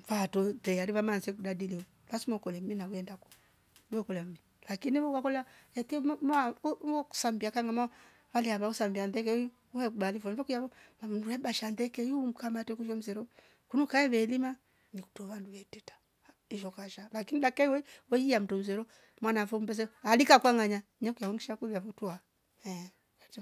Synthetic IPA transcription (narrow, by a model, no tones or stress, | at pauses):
fatɔɛaɾiβamansɛkudadili | βasimɔkɔlɛm̩minauɛndakɔ̥ | nɛkɔlɛm̩mi | lakiniɔwakɔlɛaɛtimɔku̥sambiakaŋɡama | waliaβausambiandɛk̬ɛu | uɛkubalifɔmvɔkujaβɔmanulɛbaʃandɛkɛjum̩kamatɛkuʃɔm̩zɛɾɔ | kunukaɛβɛlima | niku̥tɔβanduwɛtɛtḁ | iʃɔkaʃalakinidakaiwɛwɛiam̩tum̩zɛɾɔ | mwanafumbɛs̬ɛalikakwaŋaɲaɲakujauŋɡiʃakuβiavɔtua | ɛ